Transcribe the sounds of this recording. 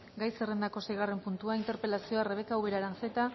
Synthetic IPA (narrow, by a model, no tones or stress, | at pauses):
ɡajsere̞nd̪ako̞sejɣ̞are̞mpunt̪uaint̪e̞ɾpe̞lasio̞areβe̞kawβe̞ɾaɾant͡se̞t̪a